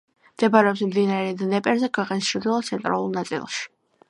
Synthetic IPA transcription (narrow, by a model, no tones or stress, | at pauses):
md̪̥ɛbaɾɛɔps̬md̪inaɾɛd̪nɛpʼɛɾzɛkʰwɛqʼɛnst͡ʃʰɾd̪ilˠat̪sʰɛnt̪ʼɾa̰lˠuɾnat̪sʼḭlˠʃi̥